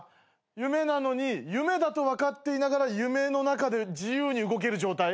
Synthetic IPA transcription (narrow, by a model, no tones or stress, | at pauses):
jɯ̟me̞nano̞ɲ̟ijɯ̟me̞d̪at̪o̞βakat̪ːe̞inaɡaɾajɯ̟me̞no̞nakad̪e̞d͡ʑijɯːɲ̟iɯ̟ɡo̞k̬e̞ɾɯ̟d͡ʑo̞ːt̪ai